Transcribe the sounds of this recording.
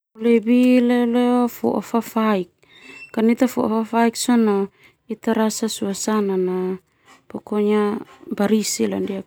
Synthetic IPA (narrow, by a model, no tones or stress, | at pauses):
olebileleofo̰ʔofafaik̚ː | anit̪afo̰ʔo̰fafaiksono | it̪aɾasasuasanana | pokoɲabaɾisila̰ndia